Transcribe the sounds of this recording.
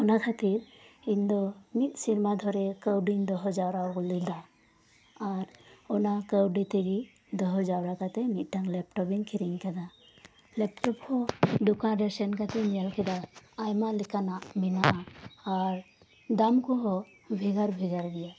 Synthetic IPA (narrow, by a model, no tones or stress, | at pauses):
ɔnakʰat̪iɾ | iɲd̪ɔmit̪̚ˀsiɾmad̪ʱɔɾɛkəwɖiɲd̪ɔɦɔd͡ʒawɾaɔɡɔlild̪aː | ɾɔnakəwɖit̪ɛɡi | d̪ɔɦɔd͡ʒawɾakat̪ɛmit̪̚ˀʈaŋlɛp̚ʈɔbiŋkʰiɾiŋkɛd̪a | lɛp̚ʈɔphɔd̪ukãɖɛɾsɛnkat̪ɛnijalkɛd̪aːjmalɛkanaʔminaː | ɾ | d̪amkɔɦɔ | bʱɛɡaɾbʱɛɡaɾɡɛja